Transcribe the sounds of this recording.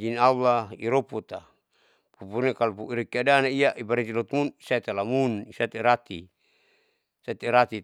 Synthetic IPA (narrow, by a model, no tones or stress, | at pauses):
d͡ʒinawaḭɾoput̪a | pupuɾnekalupuiɾikiadanaijaʔibaɾit̪ilɔt̪munisait̪alamunisat̪eɾat̪ḭ | sat̪eɾat̪i